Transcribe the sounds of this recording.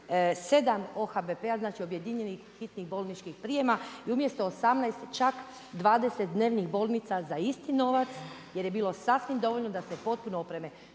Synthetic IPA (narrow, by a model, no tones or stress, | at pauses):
se̞d̪amo̞xabepeaznaːt͡ʃio̞bje̞d̪iɲenixːit̪niɣbo̞lˠnit͡ʃkixpɾie̞maiumje̞st̪o̞ːsamnajst̪t͡ʃak | d̪ʋaːd̪eset̪̚d̪ne̞ːʋniɣbo̞lˠnit̪sazaist̪ino̞ʋat̪sje̞ɾje̞biːlo̞sasʋimd̪o̞ʋo̞ʎnod̪asepo̞t̪̚punoopɾe̞me